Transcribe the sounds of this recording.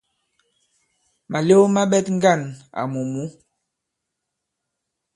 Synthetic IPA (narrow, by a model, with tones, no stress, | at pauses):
ma˨le˦ma˦ɓɛ˦tŋ˦ɡa˦˨na̰˨mu˨mu˨˦